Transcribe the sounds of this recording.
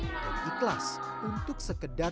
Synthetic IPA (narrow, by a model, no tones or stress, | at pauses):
daniklas | unt̪ʊksəkəda